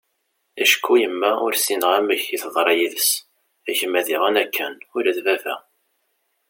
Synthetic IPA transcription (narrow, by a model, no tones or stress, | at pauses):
æʃkʰːujəmːæʊ̰ɾsinəʁæmːəçiθðˤɾˤɑjiðəs | æçəmæðiʁænækʰːənʊlæθvævæ̰